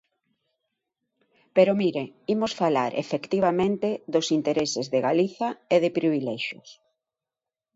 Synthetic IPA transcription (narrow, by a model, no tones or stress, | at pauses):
peɾomiɾeimosfalaɾʔḛfekt̪iβ̞amẽnt̪eðosint̪eɾesezðeɣaliθaeðɪpɾiβ̞ilɛʃjo̰s